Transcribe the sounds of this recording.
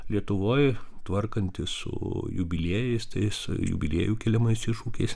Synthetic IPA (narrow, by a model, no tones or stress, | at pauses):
lʲiɛt̪ʊʋoːjt̪ʋɐrkɐnʲt̪ʲɪsʊ̰jʊbʲɪlʲiɛjɛɪst̪ɐɪsjʊ̰bʲɪlʲḭɛjuːkʲɛlʲɛmɐɪsɪʃuːkʲɛɪs